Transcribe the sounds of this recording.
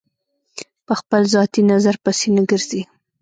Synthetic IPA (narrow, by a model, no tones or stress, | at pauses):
pəxpəlzɑt̪inazaɾpəsenəɡəɾz̥i